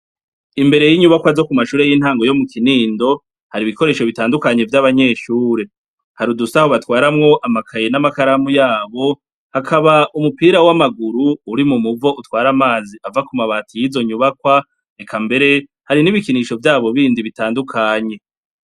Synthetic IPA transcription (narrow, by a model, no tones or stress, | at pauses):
imbe̞ɾejiɲuβakwazo̞kumaʃuːɾe̞jin̥haːŋɡo̞jo̞mukiniːndo̞ | haɾiβiko̞ɾe̞ːʃo̞βitaːndukaɲe̞vjaβaɲe̞ːʃuːɾe̞ | haɾudusaho̞βatwaːɾamŋo̞ʔamakʰaje̞namakaɾamujaːβo̞ | hakʰaβaʔumupiːɾawamaɡuɾuːɾimumuvo̞ʔutwaːɾamaːziʔavakumaβaːtʰijizo̞ɲuβakwa | nekʰambe̞ɾe̞ | haɾiniβikiniʃo̞vjaːβo̞βiːndiβitaːndukʰaɲe̞